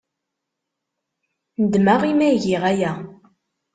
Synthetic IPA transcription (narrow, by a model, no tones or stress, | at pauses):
nəd̪maʁimæʝiʁæjæ